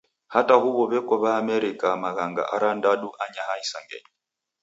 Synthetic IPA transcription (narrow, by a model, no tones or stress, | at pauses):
hataɦuβɔβɛkɔβaːmɛɾikamaɣaŋɡa̰ʔaɾandaɗuʔaɲaɦaisaŋɡɛ̰ɲi